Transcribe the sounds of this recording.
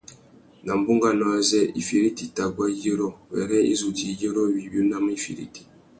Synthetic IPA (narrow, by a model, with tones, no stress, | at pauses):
na˨m̩˨bu˦ŋɡa˦nɔ˨a˨zɛ˦˨i˨fi˨ɾi˦ti˨ta˨ɡwa˦je˦ɾɔ˦wɛ̰˨ɾɛ˦ḭ˦zu˨ti˨je˦ɾɔ˦wi˨bu˦na˦m˦i˦fḭ˨ɾḭ˦ti̥˨